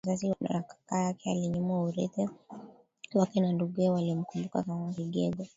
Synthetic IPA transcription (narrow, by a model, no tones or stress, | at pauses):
zas̬ina̰nakḁkajakɛaliɲumwauɾiθɛ | lakɛnanduɡɛwalim̩kumbukakamaɾiɡɛ̰ɡɔ